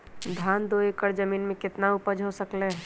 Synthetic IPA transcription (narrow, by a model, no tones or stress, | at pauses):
d̪ʱaːnd̪oːekəɾd͡ʒəmiːnmẽkɪt̪naʊpəd͡ʒɦosəkle